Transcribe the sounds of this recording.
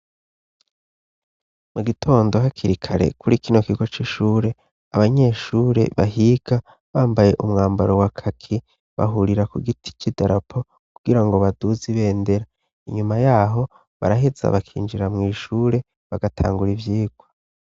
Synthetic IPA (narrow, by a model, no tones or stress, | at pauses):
muɡitʰo̞ːndo̞ɦakʰiɾikʰaɾe̞̰kuɾikino̞kiɡo̞t͡ʃiʃuːɾe̞ | aβaɲe̞ʃuːɾe̞̰βaɦiɡ̥a | βaːmbaje̞ʔumŋaːmbaɾowakʰakʰi | βa̰ɦuɾiɾakuɡitʰi̥t͡ʃidaɾapʰo | kkuɡ̥iɾaŋɡo̞βaduziβeːnde̞ɾa | iɲumajaːɦo̞ | βa̰ɾaɦiz̥a̰βakʰḭːnd͡ʒiɾamŋiːʃuːɾe̞ | βaɡatʰa̰ːŋɡuɾivjiːɡ̥wa